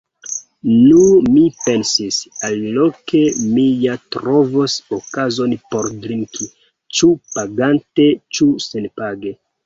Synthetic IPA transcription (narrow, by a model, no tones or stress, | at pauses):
numipe̞nsisalːoke̞mijatɾovosokazo̞npo̞ɾdɾiŋkʰi | t͡ʃupaɡante̞t͡ʃuse̞npaɡe̞